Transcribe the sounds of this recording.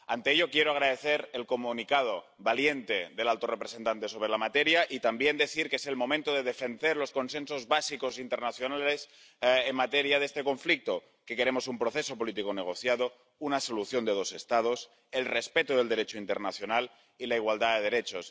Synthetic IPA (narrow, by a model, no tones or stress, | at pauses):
ant̪e̞eʎo̞kjeɾoaɣ̞ɾaðe̞θeɾelko̞munikað̞o | βalje̞nt̪e̞ðe̞lalt̪o̞repɾese̞nt̪ant̪eso̞βɾe̞lamat̪e̞ɾjaʔit̪ambje̞nd̪e̞θiɾkeese̞lmo̞mẽnt̪oðe̞ðe̞fe̞ndeɾlo̞sko̞nse̞nso̞zβasiko̞sint̪e̞ɾnaθjo̞nale̞s | enmat̪e̞ɾjaðest̪e̞ko̞ɱflik̚t̪o | ke̞ke̞ɾe̞mo̞sumpɾo̞θe̞so̞po̞lit̪̬ikoneɣ̞o̞θjaðo | unaso̞luθjo̞nd̪e̞ð̞o̞se̞st̪að̞o̞s | e̞lre̞spe̞t̪oðe̞ld̪e̞ɾe̞t͡ʃoint̪e̞ɾnaθjo̞nal | ilaiɣwald̪aðe̞ðe̞ɾe̞t͡ʃos